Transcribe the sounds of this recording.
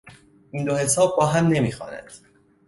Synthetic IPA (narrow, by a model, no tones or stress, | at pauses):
ʔind̪ohe̞sɒːb̚ːɒːɦæmne̞miːxɒ̰ːnæ̰d̪̥